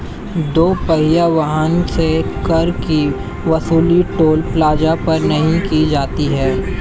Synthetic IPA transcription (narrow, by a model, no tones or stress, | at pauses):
d̪oːpɐɦɪjaʋaɦənsekɐɾki | ʋɐsuːliʈoːlplaːd͡ʒapɐɾnɐɦĩkid͡ʒaːt̪iɦɛː